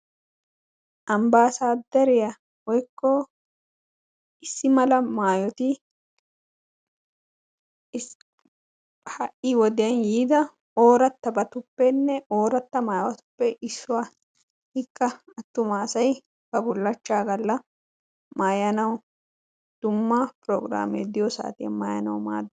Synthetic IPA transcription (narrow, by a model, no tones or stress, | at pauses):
ʔɐmbaːsaːd̪ɐɾɪjɐ | wɔjkːɔ | ɪsːɪmɐlɐmaːjɔt̪ɪ | hɐʔːɪwɔd̪ɪjɐnjiːd̪ɐ | o̞ːɾɐt̪ːɐbɐt̪ʊpːɛnːɛʔo̞ːɾɐt̪ːɐmaːjwɐt̪ʊ̥pːɛʔɪsːʊwaː | hɪkːɐɐt̪ːʊmaːsɐj | bɐbʊlːɐt͡ʃːaːɡɐlːɐ | maːjɐnɐw | d̪̥ʊmːɐpɾɔːɡɾa̰ːmḛːd̪ɪjɔsa̰ːt̪ɪjɐ̰maːjɐ̰nɐ̰wma̰ːd̪ː